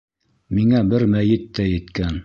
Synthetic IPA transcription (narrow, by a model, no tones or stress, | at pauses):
miŋæbɘɾmæjɘt̪ːæjɘ̆t̪kæn